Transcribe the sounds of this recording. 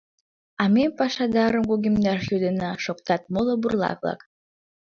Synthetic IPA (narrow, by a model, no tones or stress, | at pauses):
ɑmempɑʃɑd̪ɑɾəmɡuɡʲimd̪ɑrjud̪ənɑʃok̚t̪ɑt̪̚moloburlˠɑ̰kβlɑ̰k